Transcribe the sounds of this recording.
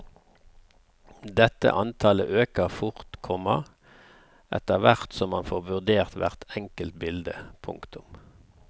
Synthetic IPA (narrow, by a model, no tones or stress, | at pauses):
d̪ɛt̪ə̰ʔɑnt̪ʰɑlə̰ʔøːkəʁfʊʁt̪kʰɔmɑ | ʔɛ̰t̪əʁʋæʁt̪sɔmːɑnfoːʁʋʉʁd̪eːʁt̪ʋæʁt̪ɛŋkəlt̪bɪld̪əpʰʊ̰ŋkt̪ʊm